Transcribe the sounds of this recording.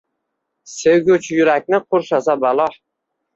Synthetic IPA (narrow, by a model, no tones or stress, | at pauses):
sewɡʲʊt͡ʃʰjʊɾak̚ʲnɪqʰʊɾʃasabalˠɒħ